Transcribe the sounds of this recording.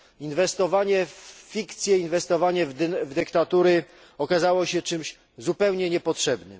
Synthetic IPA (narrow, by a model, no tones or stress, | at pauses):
invɛst̪ɔvaɲɛfːʲikt̪sʲjɛinvɛst̪ɔvaɲɛvvd̪ɘkt̪at̪uɾɘ | ɔkazawɔɕɛt͡ʂɘmɕ | zupɛwɲɛɲɛpɔtʂɛbnɘ̰m